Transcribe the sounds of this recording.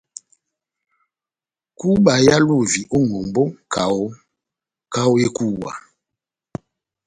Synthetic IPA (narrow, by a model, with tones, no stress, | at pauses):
ku˦ɓa˨ja˦lu˦˨vi˨ʔo˦ŋo˨mbo˦kʰa˨o˦ | ka˦o˦je˦ku˦wa̰˨